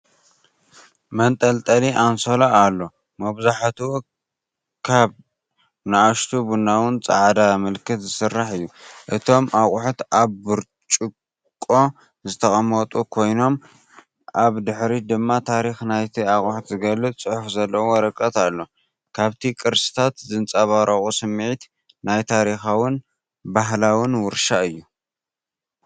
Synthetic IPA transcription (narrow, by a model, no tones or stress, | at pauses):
mɐnt̪ʼɐlt̪ʼɐliʔansolaalːo̞ | mɐβzaħt̪ʰu | kʰaβ | naʔaʃt̪ʰubunːawʊnt͡sʼa̰ʕd̪amɨlkʰɨt̪zɨsɨrːaħɨjːuʔɨt̪ʰo̞mʔaxʼuħut̪ʔaβːɨɾ | t͡ʃʼɨkʼː | o̞ | zɨt̪ʰɐχʼɐmɐt̪ʼukʰo̞jno̞m | ʔaβd̪ɨħɾid̪ɨmːat̪ʰaɾixnajt̪ʰiaχʼuħut̪zɨɡɐlːɨt̪ʼt͡sʼɨħufzɐlːɐwɔɾɐkʼːɐt̪alːo̞ | kʰaβt̪ʰikʼɨɾsɨ̥t̪ʰat̪zɨnt͡sʼaβaɾɐχʼusɨmːʕit̪ | najt̪ʰaɾixawʊn | baɦlawʊnwʊɾʃaɨjːu